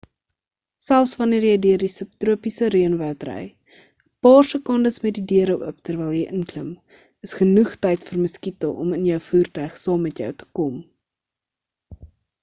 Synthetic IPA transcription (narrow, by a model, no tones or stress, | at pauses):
sælˠsvɐniərjəjdiərdisəp̚truəpisəɾiənvətrɛ̰j | əpɑːrsəkɔndəsmɛt̚didiəɾəwʔə̰ptərvɛjlˠjəjʔənkləm | əsχənuχtɛjtfərməskitəlˠʔɔ̰mənjəwfuːrtœɥχsɑːmːɛtjœ̰wtə̥kɔm